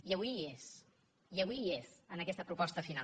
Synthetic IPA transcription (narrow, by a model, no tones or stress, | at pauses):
iəβwies | iəβwiezənəkɛst̪əpɾupɔst̪əfina